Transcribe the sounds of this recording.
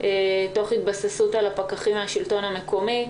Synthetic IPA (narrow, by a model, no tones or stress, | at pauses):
eto̞χhit̚basesutalapakaχimeaʃilto̞name̞ko̞mi